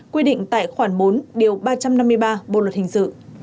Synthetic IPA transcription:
kwi˧ɗḭ̈˧˨ŋ̟t̪a̰ː˧˨jxwaː˧˩nɓo˨˦nɗi˨˩əwɓaː˧t͡ɕa˧mna˧mːɨ˧əjɓaː˧ɓo̰˧˨lwə˨˩t̚hï˨˩ŋ̟sɨ̰˧˨

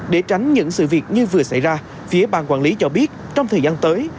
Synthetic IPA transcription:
ɗe˧˩t͡ɕa˨˦jŋ̟ɲɨ̰˧˥ŋsɨ̰˧˨vi˨˩ət̚ɲɨ˧vɨ˨˩əsa̰˧˩jzaː˧ | fi˨˦əɓa̰ː˧˨nkwaː˧˩nli˨˦t͡ɕɔ˧ɓi˦˥ət̚t͡ɕɔ˧wŋ͡mt̪ʰəː˨˩zaː˧nt̪əː˨˦j

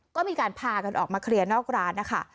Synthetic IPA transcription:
kɔː˥˩miː˧kaː˧npʰaː˧ka˧nʔɔː˨˩k̚maː˧kʰɾi˧ənɔː˥˩k̚ɾaː˦˥nːa˦˥kʰa̰˦˥˩

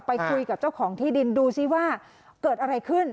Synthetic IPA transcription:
pa˧jkʰu˧jka˨˩p̚t͡ɕa˥˩wkʰɔː˩˦ŋt̪ʰiː˥˩di˧nduː˧si˦˥˩waː˥˩ | kɤː˨˩t̪̚ʔa˧ɾa˧jkʰɯ˥˩n

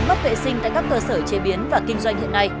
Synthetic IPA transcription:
nm˦˥t̚vḛ˧˨sï˧ŋ̟t̪a̰ː˧˨kaː˦˥kːəː˧səː˧˩t͡ɕe˨˦ɓi˨˦ənvaː˨˩kï˧ŋ̟zwa˧jŋ̟hḭ˧˨ənːa˧j

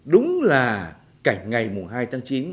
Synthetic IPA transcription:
ɗʊ˨˦ŋ͡mlaː˨˩ | ka˧˩ŋ̟ŋa˨˩jmʊ˨˩ŋɦaː˧jt̪ʰaː˨˦ŋt͡ɕi˨˦n

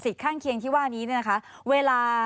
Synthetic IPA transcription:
si˨˩t̚kʰaː˥˩ŋkʰi˧əŋt̪ʰiː˥˩waː˥˩niː˦˥ni˥˩na˦˥kʰa˦˥ | weː˧laː˧

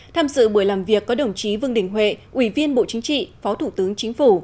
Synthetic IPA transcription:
t̪ʰaː˧mzɨ̰˧˨ɓɨ˧˩əlaː˨˩mvi˨˩əkːɔ˨˦ɗə˧˩wŋ͡mt͡ɕi˨˦vɨ˧əŋɗï˨˩ŋ̟ɦwḛ˧˨ʔwi˧˩vi˧ənɓo̰˧˨t͡ɕï˨˦ŋ̟t͡ɕḭ˧˨fɔ˨˦t̪ʰu˧˩t̪ɨ˨˦əŋt͡ɕï˨˦ŋ̟fu˧˩

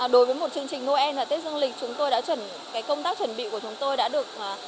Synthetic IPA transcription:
ɗo˨˦jvəː˨˦jmo˨˩t̚t͡ɕɨ˧əŋt͡ɕï˨˩ŋmo˧˩ʔɛ˧nvaː˨˩t̪e˦˥k̚zə˧ŋlï˨˩k̚t͡ɕʊ˨˦ŋ͡mt̪o˧jɗa̰ː˧˥t͡ɕwə˧˩n | kaː˨˦jkə˧wŋ͡mt̪aː˦˥k̚t͡ɕwə˧˩nɓḭ˧˨ku˧˩ə˩t͡ɕʊ˨˦ŋ͡mt̪o˧jɗa̰ː˧˥ɗɨ˨˩ək̚ː

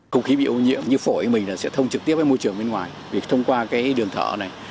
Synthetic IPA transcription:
xə̰˧wŋ͡mxi˨˦ɓḭ˧˨ʔo˧ɲḭ˧˥əmɲɨ˧fo˧˩i˧mï˨˩ŋ̟laː˨˩sɛ̰˧˥t̪ʰə˧wŋ͡mt͡ɕɨ˨˩k̚t̪i˦˥əp̚aː˨˦mo˧jt͡ɕɨ˨˩əŋɓe˧nŋwaː˨˩jvi˨˩ək̚t̪ʰə˧wŋ͡mkwaː˧kaː˨˦jɗɨ˨˩əŋt̪ʰə̰ː˧˩na˨˩j

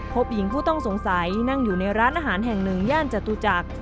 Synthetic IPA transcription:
pʰo˦˥p̚ji˨˩˦ŋpʰuː˥˩t̪ɔ˥˩ŋso˩˦ŋsa˨˩˦jna˥˩ŋjuː˨˩na˧jɾaː˦˥nʔaː˧ɦaː˩˦nɦɛ˨˩ŋnɯ˨˩ŋjaː˥˩nt͡ɕa˨˩t̪uː˧t͡ɕa˨˩k̚

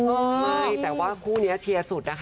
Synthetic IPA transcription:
a˧˥˩jt̪ɛː˨˩waː˥˩kʰuː˥˩ni˦˥ɐt͡ɕʰi˧ɐsu˨˩t̪̚na˦˥kʰ

